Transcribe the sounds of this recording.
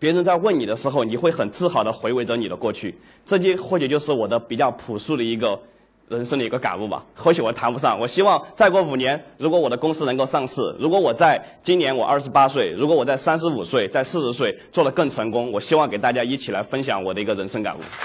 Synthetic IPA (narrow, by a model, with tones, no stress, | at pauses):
pjɛ˧˥ɻə˧˥nt͡sa˥˧wə˥˩ni˨˩d̪ə˦ʂɻ̩˧˥xo˥˧ʊni˨˩xwe˥˩ɪxə˨˩nt͡sɹ̩˥˩xɑ˨˩ʊd̪ə˦xwe˧˥ɪwe˧˥ɪʈ͡ʂɤ˧˥ni˨˩d̪ə˦kwɔ˥˧t͡ɕʰy˥˩ | ʈ͡ʂɤ˥˧t͡ɕɛ˥xwɔ˥˩t͡ɕʰy˨˩jo˥˧ʊʂɻ̩˥˩wɔ˨˩d̪ə˦pi˨˩t͡ɕjɑ˥˩ʊpʰu˨˩ʂu˥˩ɾə˩i˧˥ɡə˧ | ɻə˧˥nʂə˥ŋd̪ə˨i˧˥ə˧ka̰˨˩nu˥˩bɐ̰˩xo˧˥ʊt͡ɕʰi˧˥wɔ˨˩t̪ʰa˧˥npu˧˥ʂɑ˥˩ŋwɔ˨˩ɕi˥wɑ˥˧ŋt͡sa˥˧ɪkwɔ˥˩u˨˩njɛ˧˥nɻu˧˥kwɔ˧˥wɔ˨˩ə˦kʊ˥ŋsɹ̩˥nɤ˧˥ŋko˥˧ʊʂɑ˥˧ŋʂɹ̩˥˩ɻu˧˥kwɔ˧˥wɔ˨˩t͡sa˥˩˧ɪt͡ɕi˥nnjɛ˧˥nwɔ˨˩ʔɐ˞˥˩ʂɻ̩˧˥pa˥swe˥˩ɪɻu˧˥kwɔ˧˥wɔ˨˩t͡sa˥˩ɪsa˥nʂ̬ɻ̩˧˥u˨˩swe˥˧ɪt͡sa˥˧ɪʂɹ̩˥˧ʂɻ̩˧˥s̬we˥˧ɪt͡swɔ˥˩lə˩kɤ˥˩ŋʈ͡ʂʰɤ˧˥ŋkʊ˥ŋwɔ˨˩ɕi˥wɑ˥˩ŋke˨˩ɪt̪a˥˩t͡ɕja˥i˥˩t͡ɕʰi˨˩la̰˧˥ɪfə˥nɕjɑ̰˧˥ŋwɔ˨˩d̪ə˦i˧˥ɡə˧ɻə˧˥nʂə˥ŋka̰˨˩nṵ˥˩